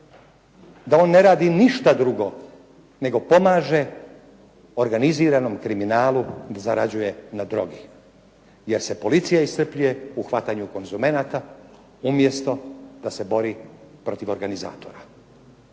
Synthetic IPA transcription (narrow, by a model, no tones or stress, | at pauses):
d̪ao̞ːnːe̞ɾaːd̪iniʃt̪ad̪ɾuɡo̞ | ne̞ɡo̞po̞maːʒe̞ | o̞ɾɡaniziːɾano̞mkɾiminaːlud̪azaɾad͡ʑuje̞nad̪ɾo̞̰ɡi | je̞ɾse̞po̞lit̪sijaist̪r̩pʎujeuxʋat̪aɲuko̞nzume̞nat̪a | umje̞st̪o̞d̪̥ase̞bo̞ɾipɾo̞t̪iʋo̞ɾɡaniza̰ːt̪o̞ɾa